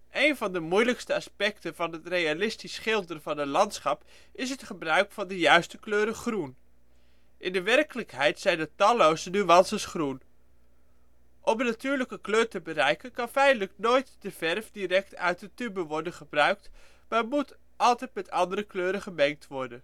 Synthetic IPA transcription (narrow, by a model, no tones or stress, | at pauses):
ʔejnvɑndəmujləkstəɑspɛktəvɑnɦətrejalɪstisχɪlˠdərvɑnətlɑntsχɑp | ɪs̬ɦətχəbrœɥkfɑndəjœɥstəkløːɾəχrun | ʔɪndəʋɛrkələkɦɛjtsɛjndətɑlowsnyʋɑnsəsχrun | ʔɔmənatyːɹləkəkløːrtəbərɛjkənkɑnfɛjndələknoːjtd̥əvɛrfdirɛk̚tœ̰ɥt̚dətybəʋɔrdənχəbrœɥk̚t | maːrmut | ʔɑlˠtɛjt̚mɛtɑndəɾəkløːɾəχəmɛŋk̚tʋɔrdən